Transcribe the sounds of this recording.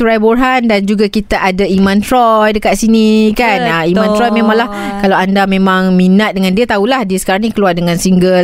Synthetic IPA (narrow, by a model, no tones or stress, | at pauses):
suɾajborɦandand͡ʒuɡakit̪aʔadaimãnt̪ɾɔjdəkat̪̚sinikanəimãnt̪ɾɔjmẽmãŋlah | kalawandamẽmãŋminat̪̚dəŋãndiət̪aulahdiəsə̥kaɾaŋnĩkəluardəŋãnsiŋɡəl